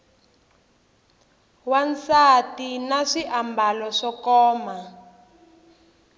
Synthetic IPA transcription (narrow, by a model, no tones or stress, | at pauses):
want͡satinaʂiʔambalɔʂɔkɔːma